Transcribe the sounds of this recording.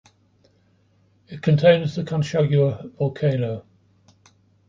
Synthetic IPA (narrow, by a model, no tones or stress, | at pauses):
ɪʔ̚kʰə̃ntʰẽɪ̃nzðəkʰãnʃaɡjəvɒlˠkʰeɪnəʊ